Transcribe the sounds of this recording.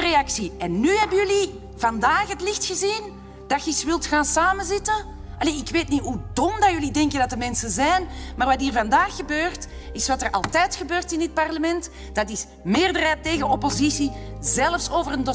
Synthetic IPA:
əreɑksiɛnːyːɦɛbənjɵli | vɑndaːxɦətlɪxtxəzin | d̥ɑtxəisʋɪlˠtxaːnsaːmənzɪtə | ɑleːɪkʋeːtnitɦudɔmdajʏlidɛŋkəndɑtdəmɛnsəzɛjnmaːrʋɑtiːrvɑndaːxəbøːrt | ɪsʋɑtərɑ̰lˠtɛjtxəbøːrtɪndɪt̚pɑrləmɛnt | d̥ɑtɪs | mɪːrdərɦɛːtːeːɣənɔpozisizɛləfsoːvərəndo

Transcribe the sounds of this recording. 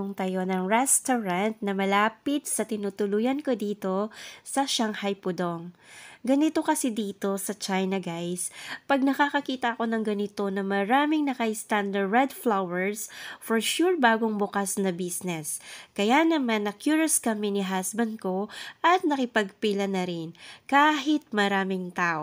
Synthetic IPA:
ŋt̪ɐjo̞nɐŋɹɛst̪oɹɐnt̪̚nɐmɐlaːpɪt̪̚sɐt̪ɪnut̪ʊlujɐnko̞d̪iːt̪o̞sɐʃaŋhajpʊd̪oŋɡɐnɪt̪o̞kɐsid̪iːt̪o̞sɐt͡ʃajnɐɡajspɐɡ̚nɐkaːkɐkiːt̪ɐɐko̞nɐŋɡɐnɪt̪o̞nɐmɐɾaːmɪŋnɐkɐʔɪst̪and̪ɐɹɛd̪flawɛɹsfoɹʃuɹbaːɡoŋbʊkasnɐbisnɛskɐjanɐmanːɐkjuɹoskɐmɛnɪɦasbɐnd̪̚ko̞ʔɐt̪̚nɐkɪpɐɡ̚pilɐnɐɾɪnkaːɦɪt̪̚mɐɾaːmɪŋt̪aːʔo

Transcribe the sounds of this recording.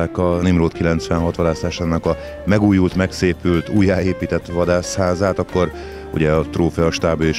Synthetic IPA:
aːkɒnimroːt̪kilɛnt̪sʋɛnɦɒt̪ʋɒd̪aːsaːʃaːnːɒkɒ | mɛɡuːjult̪mɛkseːpylt̪ʰuːjaːeːpiːt̪ɛt̪ːʋɒd̪aːshaːzaːt̪ɒkːo̞r | ṵɟɛɒt̪roːfɛɒʃt̪aːbøeʃ

